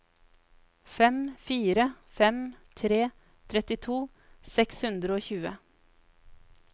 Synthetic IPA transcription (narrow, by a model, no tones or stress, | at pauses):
fɛmfiːɾə | fɛmt̪ʰɾeː | t̪ʰɾɛt̪ɪt̪ʰuː | sɛkshʉnd̪ɾəoːçʉːə